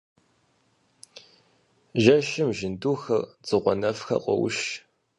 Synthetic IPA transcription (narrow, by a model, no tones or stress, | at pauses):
ʒɐʃɪmʒɪnduːxɐrd͡zɨʁʷɔnɐfxɐ̰qʷʼɔ̰wʊ̰ʃ